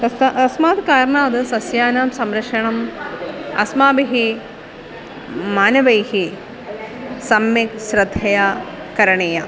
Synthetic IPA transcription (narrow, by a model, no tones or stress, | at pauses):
kɐsɐsmaːt̪kaːɾɳaːd̪ɨsɐsjaːnaːmsɐmɾɐkʂɐɳɐm | ɐ̰smaːbiɦi | maːnɐʋɐjhi | sɐmjɐksɾɐd̪ʱːɐjaː | kɐɾɐɳijɐ